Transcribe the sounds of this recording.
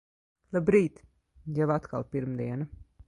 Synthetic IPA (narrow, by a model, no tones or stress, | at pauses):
lˠabɾiːt̪ | jɛvat̪ka̰lˠpiɾmd̪iɛna